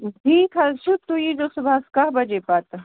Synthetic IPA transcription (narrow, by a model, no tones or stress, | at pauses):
ʈʰiːkʰɐt͡ʃʰut̪ujid͡ʒosʊbaskaɦbɐd͡ʒepat̪